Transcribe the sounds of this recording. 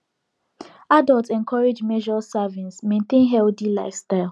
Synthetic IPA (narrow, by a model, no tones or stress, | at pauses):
adaltɛ̃nkʰɔɹed͡ʒmed͡ʒɔsavĩnsmẽntẽnɦɛldilaɪfstaɪl